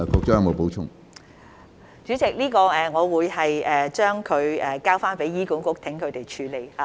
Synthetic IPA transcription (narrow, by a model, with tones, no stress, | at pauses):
kʰɔː˧k̚t͡ʃɔː˥jɐ˨˧mo˨˧wpo˨˥wt͡ʃʰʊ̰˥ŋ | t͡ʃyː˨˥t͡sɪ˨k̚liː˥kɔː˧ɛː˨ŋɔː˨˧wuː˨˧jhɐ˨jɛː˨t͡ʃœː˥ŋkʰɵ˨˧ɥɛː˨kaː˥wfaː˥npe˨˥jːiː˥kuː˨˥ŋkʊ˥k̚t̪ʰɪ˨˥ŋkʰɵ˨˧ɥt̪e˨˩jt͡ʃʰyː˨˧le˨˧jhaː˨˦